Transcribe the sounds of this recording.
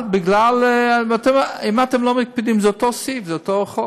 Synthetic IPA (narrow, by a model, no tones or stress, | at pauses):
bɪɡlalat̪ɛmimat̪ɛmlomɪk̚pid̪imzɛot̪osifzɛot̪oχo